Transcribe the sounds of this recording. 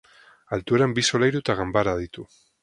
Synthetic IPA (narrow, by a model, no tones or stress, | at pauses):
alt̪ueɾambiso̞lajɾut̪aɣambaɾaðit̪u